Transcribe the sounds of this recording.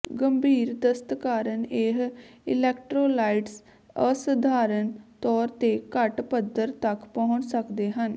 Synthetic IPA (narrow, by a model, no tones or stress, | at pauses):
ɡəmbʱiːɾd̪əst̪kaːɾəneɦɪ̰lɛːkʈɾoːlaːiʈs | əsəd̪ʱaːɾənt̪ɔːɾt̪eːkəʈpəd̪əɾt̪əkpɔ̃ːʊ̃t͡ʃsəkd̪eːɦən